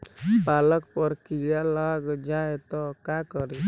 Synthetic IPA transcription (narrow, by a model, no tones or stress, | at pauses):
paləkpəɾkijalaɡd͡ʒaet̪ɔkakɔɾi